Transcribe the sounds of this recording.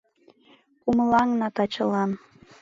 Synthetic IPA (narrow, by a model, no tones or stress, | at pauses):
kumlɑŋnɑt̪ɑt͡ɕəlɑn